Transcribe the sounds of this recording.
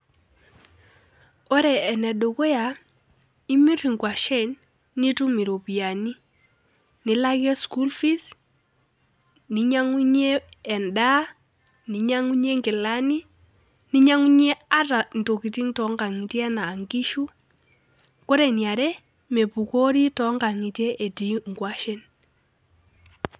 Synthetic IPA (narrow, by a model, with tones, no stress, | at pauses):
ɔ˦ɾɛ˨ɛ˨nɛ˨ɗo˨kɔ˦ja˨ | i˦mi˦ri˨ŋkwa˨ʃɛ˦˨nː | i˦tu˦mi˨ɾo˨pi˨a˨ni˦ | ni˨la˦kɛ˦sku˦lfi˦s | ni˨ɲa˦ŋu˦ɲɛː˦˨nda˦ | ni˨ɲa˦ŋu˦ɲe˦ŋɡɪ˨la˦ni˦ | ni˦ɲa˦ŋu˦ɲɛ˦a˦ɾa˨n˨to˨ki˨ti˦ŋtɔ˨˦ŋɡa˨ŋi˨tjɛ˦naː˨ŋɡi˦ʃu˦ | kɔ˦ɾɛ˨nja˨ɾɛ˦ | me˨pu˨ko˦ɾi˦tɔ˦ŋɡa˨ŋi˨tɛ˦ʔːti˨ŋɡwa˦ʃɛ˦n